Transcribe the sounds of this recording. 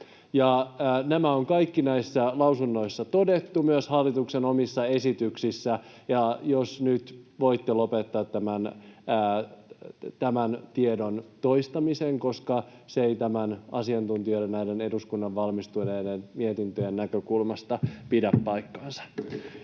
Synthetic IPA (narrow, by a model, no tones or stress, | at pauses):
jɑnæmæoŋkɑikːinæisːælɑusunːo̞isːɑt̪o̞de̞t̪ːumyøshɑlːit̪uksenomisːɑesit̪yksisːæ | jɑjosnyt̪ʋo̞it̪ːelo̞pet̪ːɑːt̪ːæmænː | t̪æmænt̪iedont̪oist̪ɑmiseŋko̞skɑseeit̪æmænɑ̰siɑnt̪unt̪ioɾenæjdene̞duskunːɑʋʋɑlmist̪ujnedenmiet̪int̪øjenːækøkulmɑst̪ɑpidæppːɑjkːɑːnsɑ̥